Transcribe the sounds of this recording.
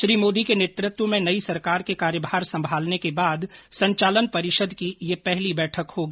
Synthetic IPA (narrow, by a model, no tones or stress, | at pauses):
ʃɾiːmoːd̪ikeneːt̪ɾɪt̪wəmẽnɐisɐɾkaːɾkekaːɾjəbʱaːɾsɐ̃mbʱaːlnekebaːd̪sɐ̃ɲt͡ʃaːlənpɐɾɪʃəd̪ʱkijepɛɦlibɛːʈʰəkhoːɡiː